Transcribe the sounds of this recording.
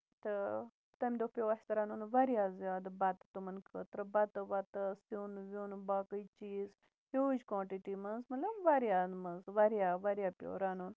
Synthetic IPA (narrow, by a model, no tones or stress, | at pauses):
t̪ɨ | t̪ɐmʲd̪opʲjowɐħstɐɾɐnunʋɐɾjaːzjaːd̪ɐbɐt̪ɨ̥t̪umɐnkʰət̪ɾɨbɐt̪ɨʋɐt̪ɨsinʋʲunbaːkəjt͡ʃiːz | pʲod͡ʒkwaːʈiʈimɐzmɐlɐmʋɐɾjaːmɐzʋɐɾjaːʋɐɾjaːpʲjo̰ːɾanuːn